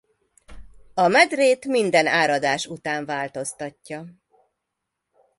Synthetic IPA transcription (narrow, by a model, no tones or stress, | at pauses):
ɒmɛd̪reːt̪mind̪ɛnaːɾɒd̪aːʃut̪aːɱvaːlt̪o̞st̪ɒcːɒ